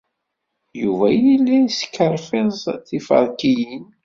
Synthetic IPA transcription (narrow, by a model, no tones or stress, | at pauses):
juvæjilːæsə̥kːəɾˤfɪzˤθifə̰ɾˤkijin